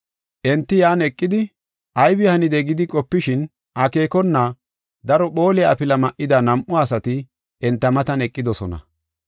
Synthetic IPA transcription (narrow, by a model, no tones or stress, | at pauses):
ʔɛnt̪ːɪjaːnɛkʼːɪd̪ɪ | ʔɐjbɪhɐnɪd̪ɛɡɪd̪ɪkʼɔpːɪʃɪn | ʔɐke̞ːkɔnːa | d̪ɐɾɔɓo̞ːlɛɐpɪlɐmɐʔɪd̪ɐnɐmʔʊɐsɐt̪ɪ | ɛnt̪ːɐmɐt̪ɐnɛkʼːɪd̪ɔsɔnɐ̰